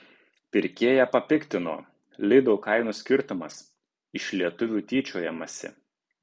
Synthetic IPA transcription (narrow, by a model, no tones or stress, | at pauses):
pʲɪɾʲkʲeːjæpɐpʲɪkʲt̪ʲɪno̰ː | lʲɪd̪ɔːkɐɪnuːsʲkʲɪɾt̪ʊmɐs | ɪʃlʲiɛt̪ʊʋʲuːt̪ʲiːt͡ʃʲoːjɛmɐsʲɪ̰